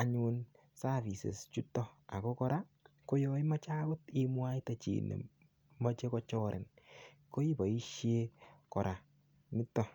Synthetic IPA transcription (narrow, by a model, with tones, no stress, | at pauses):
a˨ɲu˧n | sa˦vi˨sḛ˨st͡ʃu˦tɔ˦a˨ko˦kɔ˦ɾa˦ | ko˦jɔ˦i˦ma˦t͡ʃa˦ɡʊ˦ti˦mwa˦jta˨t͡ʃḭ˨nḛ˨ | ma˦t͡ʃe˦kɔ˦t͡ʃɔ˦ɾɛ̰˨n | ko˦i˦ba˨i˦ʃje˦kɔ˨ɾʔa˨ | mɪ˦tːɔ˦